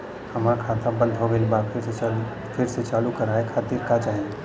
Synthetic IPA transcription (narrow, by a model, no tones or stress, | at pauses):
həmaɾkʰaːt̪ãbə̃nd̪ʱɦoɡelbakʰɪɾs | pʰɪɾset͡ʃaːlukəɾaːekʰaːt̪iɾkat͡ʃaːɦẽ